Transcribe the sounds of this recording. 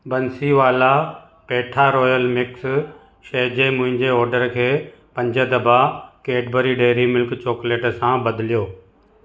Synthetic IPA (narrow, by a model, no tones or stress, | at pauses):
bɐnsiʋaːla | peːʈʰaɾɔːjəlmɪks | ʃeːd͡ʑemʊ̃ɦɪ̃ɲd͡ʑeɔːɾɖəɾkʰeː | pɐ̃ɲd͡ʑəd̪ɐbʱakeːɖbəɾiɖeːɾimɪlkt͡ɕoːkleːʈsãbɐd̪ɪlijoː